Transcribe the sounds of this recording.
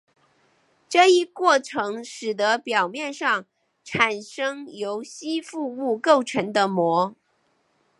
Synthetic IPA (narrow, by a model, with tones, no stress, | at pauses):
ʈ͡ʂɤ˥˩i˥kwɔ˥˩ʈ͡ʂʰɤ˧˥ŋʂɻ̩˨˩d̪ə˧˦pjɑ˨˩ʊmjɛ˥˧nʂɑ˥˩ŋ | ʈ͡ʂʰa˨˩nʂɤ˥ŋjo˧˥ʊɕi˥fu˥˧u˥˧ko˥˩ʊʈ͡ʂʰɤ˧˥ŋd̪ə˧mwɔ˧˥